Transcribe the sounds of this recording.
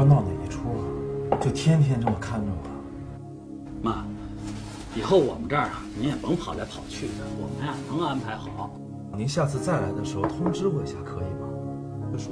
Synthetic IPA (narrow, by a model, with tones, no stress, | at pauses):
mɑ˥˩d̪ə˨˩ḭ˨˩ʈ͡ʂʰu˥ɐ˨t͡ɕjo˥˩ʊt̪ʰjɛ˥nt̪ʰjɛ˥nʈ͡ʂɤ˥˩mə˩kʰa˥˧nnṵ˥˩ɐ̰˩ | ma˨˩ | i˨˩xo˥˩ʊwɔ̰˨˩mə˦ʈ͡ʂa˥˩ɐ˨˩ni˧˥njɛ˨˩pɤ˧˥ŋpʰɑ˨˩ʊla˧˥pʰɑ˨˩ʊt͡ɕʰy˥˩d̪ə˩wɔ̰˨˩mə˦na˨nɤ˧˥ŋ˧a˥npʰa˧˥ɪxɑ˨˩˦ʊ | ni˧˥nɕja˥˧t͡sʰɹ̩˥˧t͡sa˥˩ɪla˧˥ɪd̪ə˧ʂɻ̩˧˥xo˧ʊt̪ʰʊ˥ŋʈ͡ʂɻ̩˥xwe˥˩ɪɕja˥˩kʰɤ˧˥i˨˩mɐ˩˦˧